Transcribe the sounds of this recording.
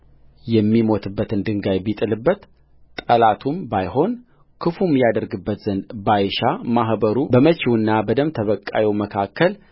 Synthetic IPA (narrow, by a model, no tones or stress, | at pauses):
jɛmːimo̞t̪ʰɨbːət̪ɨnd̪ɨŋɡajbit̪ʼɨlɨbːət̪ | t̪ʼəlat̪ʰumbajɦo̞n | kʰɨfumjad̪əɾɡɨbːət̪z̥ənd̪bajʃamaɦbəɾubəmət͡ʃiwɨnːabəd̪əmt̪ʰəβəkʼːajɛwməkʰakːəl